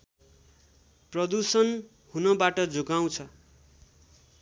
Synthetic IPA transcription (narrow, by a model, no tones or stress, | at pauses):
prʌd̪usʌn | hunʌbaʈʌd͡zoɡaw̃t͡sʰʌ